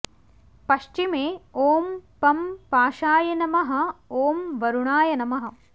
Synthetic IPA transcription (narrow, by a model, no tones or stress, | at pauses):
pɐʃt͡ʃimeːoːmpɐmpaːʃaːjɐnɐmɐɦɐ̆oːmʋɐɾuɳaːjɐnɐmɐɦɐ̆